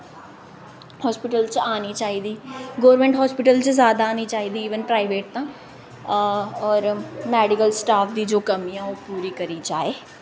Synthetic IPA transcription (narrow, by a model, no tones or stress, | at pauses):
hɔːspɪʈəlt͡ʃaːniːt͡ʃaːɦiːd̪iːɡoːəɾmɛ̃ɳʈɦɔːspɪʈəlt͡ʃəzjaːd̪aːniːt͡ʃaːɦiːd̪iːʋənpɾaːiʋeːʈ̚t̪ãː | ɔːɾmɛːɖɪkəlsʈaːpʰd̪iːd͡ʒoːkəmijãːoːpuːɾiːkəɾiːd͡ʒaːeː